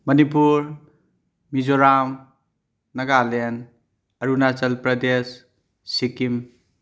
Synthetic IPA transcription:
mɐnipuɾ | mid͡ʒoɾam | nɐɡalen | ɐɾunat͡ʃɐlpɾɐd̪esː | ikim

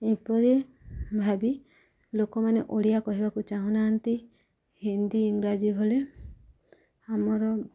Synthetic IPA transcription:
epɔɾebʱabi | lokɔmaneʔoɽijakɔɦibakut͡ʃaɦũnaɦːnt̪i | hind̪iiŋɾad͡ʒiɦole | amɔɾɔ

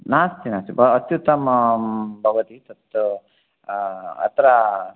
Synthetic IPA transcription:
naːst̪inaːst̪ibɐːt̪jut̪ɐm | bʱɐʋɐt̪it̪ɐt̪ːu | ɐ̰t̪ɾɐ

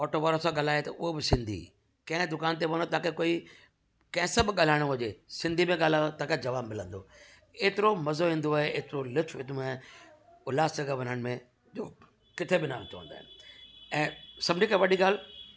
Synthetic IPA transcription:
ɔːʈoːʋaːɾəsãɠɐlaːet̪ɐʔʊɦobɪsɪ̃nd̪ʱḭ | kɐ̃ɦɪ̃d̪ʊkaːnt̪̬eʋɐnot̪aːkekoːi | kɐ̃ɦɪ̃sɐbʱɠaːl̤aːɪɽ̃oɦʊd͡ʑeːsɪ̃nd̪ʱimẽɠaːlaːot̪aːked͡ʑɐʋaːbmɪlə̃nd̪o̰ | eːt̪ɪɾomɐzoɦĩːnd̪oaːɦeʔeːt̪ɪɾolɪtʰeːũa | ʊlaːsd͡ʑɐɡaʋɐnəɽ̃mẽ | d͡ʑoː | kɪt̪ʰebɪnaːʋt̪ʰoʋə̰̃nd̪aːɦɪnɪɛ̃ːsɐbʱd͡ʑĩkaʋɐɗiɡaːl

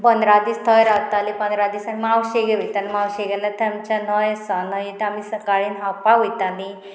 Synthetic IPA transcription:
pənd̪ɾad̪iːst̪ʰəjɾaɡt̪alipənd̪ɾad̪iːsanimawɕeɡeɦojt̪animawɕeɡɛlat̪amt͡ɕanəjəsanajet̪amisəkaɭiːnɦapaɦojt̪ani

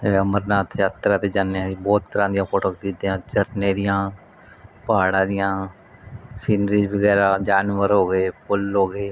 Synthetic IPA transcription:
əməɾnaːt̪ʰjaːt̪ɾãːt̪eːd͡ʒaːnːebɔːt̪ːəɾãːd̪ɪjãːpoːʈoːkd̪ɪd̪ijãːt͡ʃəɾneːd̪ɪjãː | pəɦaːɽãːd̪ɪjãː | siːnɾiːd͡ʒbəɡɛːɾaːd͡ʒaːnʋəɾɦoːɡeːpʊlɦoːɡeː

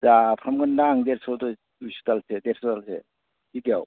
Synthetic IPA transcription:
zapʰɾamɡəndaŋd̪eɾsɔwt̪ɔ | usu̥t̪alset̪eɾsɔt̪alsḛ | tʰikaw

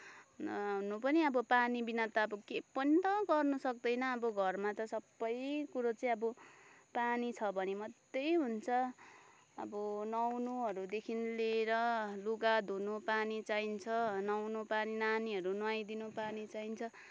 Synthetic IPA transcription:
ɦunupʌniʌbʌpanibinʌt̪aʌbʌkepʌnit̪ʌɡʌrnusʌk̚d̪ʌjnʌːbʌɡʱʌrmat̪ʌsʌbːʌjkuɾot͡saĩʌbʌ | panit͡sʰʌbʱʌnemʌd̪ejɦunt͡sʰʌ | ʌ̰bʌnʌwnuɦʌɾud̪ekʰinleɾʌluɡad̪ʱunupanit͡saint͡sʰʌnʌwnupaninaniɦʌɾunwajd̪inupanit͡saint͡sʰʌ

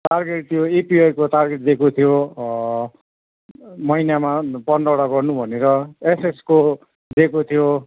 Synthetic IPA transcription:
ʈarɡeʈ̚t̪ʰijoepiʌjkoʈarɡeʈd̪ekot̪ʰijo | mʌinamapʌnɖʌwɽaɡʌrnubʱʌneɾʌesesko | d̪ekot̪ʰijo

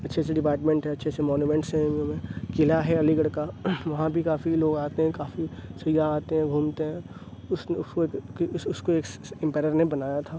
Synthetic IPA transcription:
ɐtːʃʰeseɖɪpaːɾʈmẽɳʈɦɛɐtːʃʰesemɔːnjuːmɛ̃ɳʈsɦɛ̃õmẽkɪlaɦɛɐliɡəɽkaʋɐɦãbʱikaːfiloːɡaːt̪eɦɛ̃kaːfisɐjaaːt̪eɦɛ̃ɡʱuːmt̪eɦɛ̃ | ʊsneʊskokkisʊskoeːkɪ̃mpɛːɾəɾnebɐnaːjat̪ʰaː

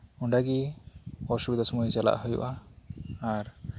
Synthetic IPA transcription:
uɳɖaɡi | ɔʃubid̪ʱasɔmɔjzala̰ʔɦojṵʔaː | ɾ

